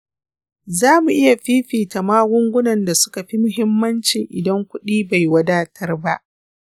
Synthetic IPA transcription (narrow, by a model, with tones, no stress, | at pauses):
zaː˦mu˨ʔɪ˦ja˨ɸiː˦ɸiː˨ta˨maː˦ɡʷʊ˦ŋɡʷʊ˦nɐ˨nda˨sʊ̥˦ka˨ɸi˦mʊ˦ɦɪ˦mːɐ˦nt͡ʃɪ˨ŋʔɪ˨dɐ˦ŋkʷʊ˦ɗiː˦ba˨jwɐ˦daː˦tʰɐ˦rba˦ʔ